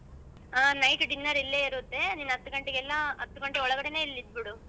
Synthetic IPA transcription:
aːnɐjkɖinːɐɾilːeːiɾut̪ːe̞niːnːɐt̪ːuɡɐɳʈeɡɛlːɐɐt̪ːuɡɐɳʈeɔɭɐɡɐɽene̞ːilːid̪̚biɽu

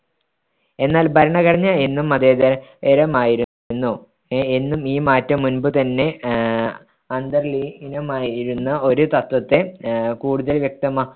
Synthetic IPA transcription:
e̞nːaːlbʱɐɾɐɳɐkɐriɲːɐenːumɐðeːðɐeɾɐmaːjiɾu | nːu | enːumiːmaːtːɐmːunbɨt̪ɐnːe̞ | ɐnd̪ɐrlinɐmaːjiɾunːɐʔo̞ɾut̪ɐt̪wɐt̪ːe̞kuːɽuðɐlʋjɐk̚t̪ɐma

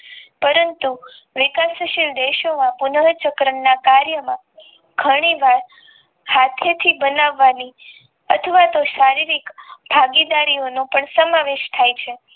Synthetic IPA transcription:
pəɾənt̪u | ʋɪkasəʃild̪eʃomãpʊnəɭt͡ʃəkɾəɳːakaɾjəmã | ɡʱəɽ̃iʋaɭ | hat̪ʰet̪ʰibənaʋːani | ə̰t̪ʰəʋat̪oʃaɾiɾikbʱaɡid̪aɾionũpəɳsəmaʋeʃt̪ʰajt͡ʃʰe

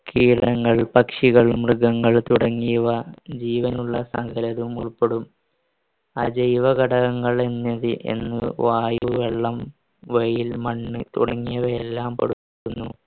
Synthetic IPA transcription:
kʰiːɾɐŋːɐɭpɐkʂiɣɐɭumrɨɡɐŋːɐɭt̪uɽɐŋːijɐʋɐd͡ʑiːʋɐnuɭːɐsɐ̰ŋɡʱɐlɐðumṵɭpːeɽum | ɐ̰d͡ʑɐjʋɐɡɐɽɐɣɐŋːɐɭenːɐðɨʔe̞̰nːɨʋaːjuʋeɭːɐm | ʋejilmɐɳːɨt̪uɽɐŋːijɐʋɐelːaːmpɐɽupːiɾunːu

